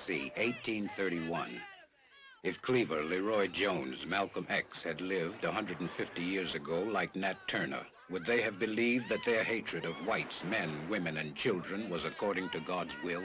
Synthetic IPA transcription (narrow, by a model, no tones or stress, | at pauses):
sḭʔeɪtʰːĩnθɜ˞ɾiwʌ̃n | ɨfkʰl̥ivə˞lɨɹɔɪd͡ʒõʊ̃nzmælˠkə̃mɛkshɨdˡlɪvdəɦʌ̃ndɹɨɾ̃n̩fɪftijɪɹzɨɡoʊlaɪk̚nætʰɜ˞nə̰ | wəd̪̚ðeɪɨvbɨlivðɨt̪̚ðə˞heɪt͡ʃɹ̥ɨɾʌvwaɪtsmɛ̃nwɪ̃mɨ̃nɨ̃nt͡ʃʰɪlˠdɹɨ̃nwʌzəkʰɔɹɾɪ̃ŋtʰɨɡɑdzwɪlˠ